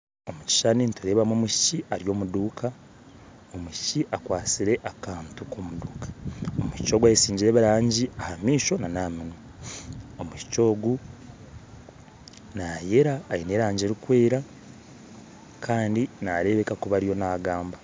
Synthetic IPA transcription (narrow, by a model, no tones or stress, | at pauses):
o̞muci̥ʃaninituɾe̞βamoːmuʃi̥ciaɾijo̞ːmuduːkʰa | o̞muʃi̥ciʔakwaːt͡siɾe̞ʔakaːntuko̞ːmuduːkḁomuʃi̥t͡ʃo̞ːɡwajesiːɲɟiɾeβaɾaːɲɟiahamiːʃo̞nanaːmino | omuʃi̥co̞ːɡu | naːje̞ɾaːjine̞ːɾaːɲɟeɾikwe̞ːɾa | kʰaːndinaɾe̞βe̞kakuβaɾijo̞naːɡaːmba